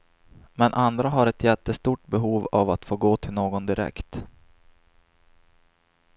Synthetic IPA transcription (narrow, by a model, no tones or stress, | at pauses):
mɛnʔand̪ɾaɦaɾɛt̪jɛt̪ːəst̪uːʈ̚bɛɦuːva̰vat̪foːɡoːt̪ʰɪlnoːɡɔnd̪ɪɾɛ̰kt̪